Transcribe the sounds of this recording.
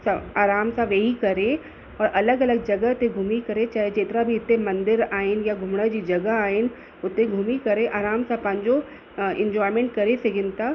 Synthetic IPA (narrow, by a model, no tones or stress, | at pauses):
saːɾaːmsaʋeɦikɐɾẽ | ɔːɾʔɐləɡɐləɡ̚d͡ʒɐɡət̪eɡʱuːmikɐɾẽt͡ʃaːɦed͡ʒeːt̪ɾabʱiɪt̪ːemɐ̃nd̪ɪɾaːɪnjaɡʱʊmɽad͡ʒid͡ʒɐɡəɦaːen | ʊt̪ːẽɡʱuːmikɐɾẽʔaːɾaːmsapãːɲd͡ʒo | ɪ̰̃ɲd͡ʒɔːɪmẽɳʈ̚kɐɾeseɡɪnt̪a